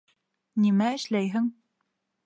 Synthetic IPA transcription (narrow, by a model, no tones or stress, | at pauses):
nimæɘ̆ʃlæjɦɘ̆ŋ